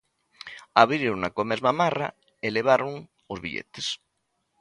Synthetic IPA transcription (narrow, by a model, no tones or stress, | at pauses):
aβɾiɾonakomezmamara̰ | eleβ̞aɾoŋ | ozβḭʎḛt̪es